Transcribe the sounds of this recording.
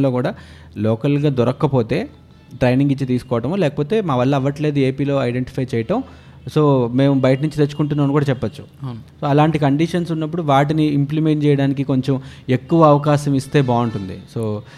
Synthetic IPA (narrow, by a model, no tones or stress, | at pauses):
lo̞ːkuːɽaː | lɔːkɐlɡaːd̪ɔɾɐkːɐpo̞ːt̪e̞ː | ʈɾɐjniŋɡit͡ʃːit̪iːsu̥kɔːʋɐʈɐmoːlɛːkɐpo̞ːt̪e̞ːmaːʋɐlːɐɐʋːɐʈle̞ːd̪ue̞ːpiːlo̞ːɐjɖeɳʈi̥pʰɐjt͡ʃɛːjɐʈɐm | so̞ːme̞ːmbɐjɐʈɐnuɲt͡ʃit̪et͡ʃːu̥kuɳʈunːaːmɐnukuːɽaːt͡ʃɛpːɐt͡ʃːu̥soːɐlaːɳʈikɐɳɖiʂɐnsunːɐpːuɽuʋaːʈ̬iniːmplime̞ɳʈ̚t͡ʃɛːjɐɽaːnik̬iko̞ɲt͡ʃome̞kːuʋɐɐʋɐkaːʃɐmist̪e̞ːbaːuɳʈund̪ḭsoː